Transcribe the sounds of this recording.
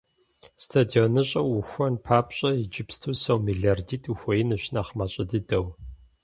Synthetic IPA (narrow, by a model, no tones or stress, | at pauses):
stʰadiɔnɨɕʼɐwʊxʷɔnpʰaːpɕʼɐjɪd͡ʒɪpstʰuːsɐwmiːɮardiːtʼuxʷɔjɪnɨɕnaχmaɕʼɪdɨdɐw